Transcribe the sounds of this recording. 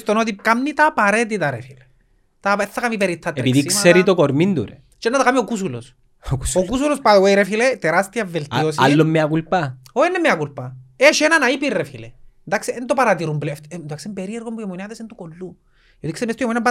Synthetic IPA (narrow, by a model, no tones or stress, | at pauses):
st̪onot̪̬ip̚kamnit̪apaɾet̪̬it̪aɾefile | t̪apɛθːakamipeɾit̪ʰːat̪ɛɾit̪iksseɾit̪okoɾmind̪ṵɾḛ | t͡ʃɛnːat̪akamiokusulo̰s | kuokus̬ulospaweiɾefilet̪ɛɾast̪iavelt̪iosallːomːeakulpaoenːɛmːeakulpaɛʃɛnanaipirːefilend̪akseːnt̪opaɾat̪iɾumblft̪d̪uaksempeɾiɛɾkombujemoniaðesent̪ukolːu | jot̪iksemɛst̪ujɛmonijampa